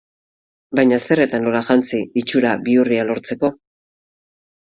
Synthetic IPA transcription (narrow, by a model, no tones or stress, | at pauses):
bajɲase̞re̞t̪anlo̞laʝant͡siːt͡ʃuɾaβiurialo̞ɾt͡se̞ko̞